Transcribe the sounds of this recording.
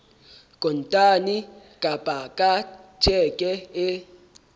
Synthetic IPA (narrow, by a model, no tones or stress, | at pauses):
kʼɔntʼani | kʼapʼakʼat͡ʃʰʼɛkʼɛe